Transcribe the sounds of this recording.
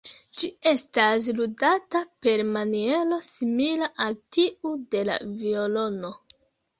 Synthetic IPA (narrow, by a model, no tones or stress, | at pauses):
d͡ʒie̞stas̬ludatape̞ɾmanie̞lo̞similaʔaltiude̞la̰vio̞lo̞no̞